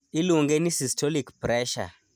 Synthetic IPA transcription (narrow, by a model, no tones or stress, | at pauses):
iluŋɡɛnisistolikpɾɛʃa̰